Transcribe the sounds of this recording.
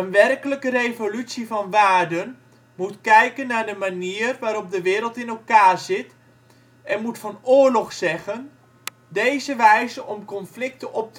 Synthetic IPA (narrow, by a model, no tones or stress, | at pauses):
ənʋɛrkələkərejvolytsivɑnʋaːrdən | mutkɛjkənːaɹdəmaniːərʋaːɾɔp̚dəʋɪːɾəlˠtɪnɛlˠkaːrzɪt | ɛnmutfɑnʊːɹlɔχsɛɣən | dejzəʋɛjzəʔɔmkɔnflɪk̚təʔɔp̚t